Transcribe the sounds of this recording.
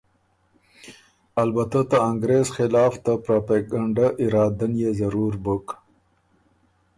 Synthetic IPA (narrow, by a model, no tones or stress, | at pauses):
albat̪at̪aaŋɡɾezxɪlɑːft̪apɾapaɡaɳɖaʔɪɾɑːd̪anjezaɾuɾbək